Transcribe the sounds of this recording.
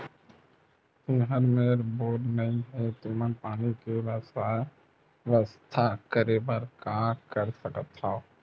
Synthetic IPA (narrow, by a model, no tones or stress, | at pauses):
t̪ɪɦəɾmeːɾboːɖnəĩɦɛt̪ɪmənpaːnikeʋəsa | ʋəst̪ʰakəɾeːbəɾkakəɾsəkət̪hao